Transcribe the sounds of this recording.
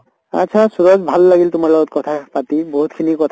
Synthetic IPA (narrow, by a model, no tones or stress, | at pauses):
a̰ʃʰasuɹɔzbʱalːaɡiltʊmaɹlɔɡɔt̚kɔtʰapatiboɦutkʰinikɔtʰ